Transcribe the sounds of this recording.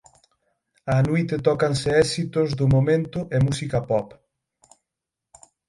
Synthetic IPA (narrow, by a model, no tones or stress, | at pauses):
ɐnujt̪et̪ɔkansɪɛsit̪ʊzd̪ʊmomẽnt̪ʊʔemusikapɔp